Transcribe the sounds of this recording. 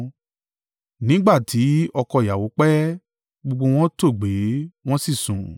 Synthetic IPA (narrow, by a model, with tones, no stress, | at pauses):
nĩ˨˦ɡ͡ba˦˨tʰi˨˦ɔ˧kɔ˧˨ja˨wo˨˦k͡pɛ˦ | ɡ͡bo˧ɡ͡bo˧w̃ɔ̃˦to˦˨ɡ͡be˨˦w̃ɔ̃˦si˦˨sũ˨